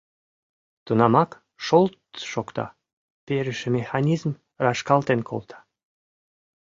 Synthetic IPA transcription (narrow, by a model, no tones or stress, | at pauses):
t̪ənɑmɑk | ʃolt̪ʃokt̪ɑ̰ | peɾəʃĕmexɑnʲizm | rɑʃkɑlt̪enkʰo̰lt̪ʰɑ̥